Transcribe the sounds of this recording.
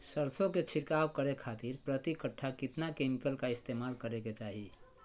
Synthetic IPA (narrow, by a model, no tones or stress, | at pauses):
səɾsõket͡ʃʰiʈkawkəɾekʰat̪iɾpɾət̪ikəʈʰːakit̪nakemikəlkaist̪emalkəɾeket͡ʃaɦi